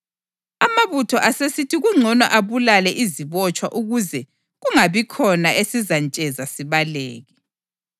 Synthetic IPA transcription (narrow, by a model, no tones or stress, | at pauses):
amaβutʰɔʔasesitʰiɣuŋ͡ǀʱɔnɔʔaβulalɛʔiziβɔt͡ʃʼwa̰ʔuɣuzɛ | ɣuŋaβikʰɔnaʔesizant͡ʃʼɛzasiβaleːɣi